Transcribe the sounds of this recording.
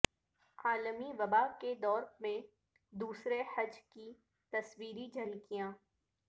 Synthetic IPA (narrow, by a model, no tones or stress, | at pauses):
aːləmiʋɐbaked̪ɔːɾmẽ | d̪uːsɾehɐd͡ʒki | t̪ɐswiːɾid͡ʒɐlkijãː